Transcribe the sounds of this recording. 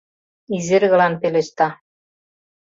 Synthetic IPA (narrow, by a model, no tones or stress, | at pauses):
iziɾɣɤ̆lɑnpelĕʃt̪ɑ